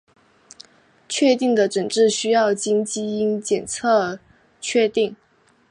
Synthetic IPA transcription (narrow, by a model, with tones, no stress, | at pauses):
t͡ɕʰɥɛ˥˧t̪i˥˩ŋd̪ə˩ʈ͡ʂə˨˩ŋʈ͡ʂɻ̩˥˩ɕy˥jɑ˥˩ʊt͡ɕi˥ŋt͡ɕi˥i˥nt͡ɕjɛ˨˩nt͡sʰɤ˥˩ | t͡ɕʰɥɛ˥˧t̪i˥˩ŋ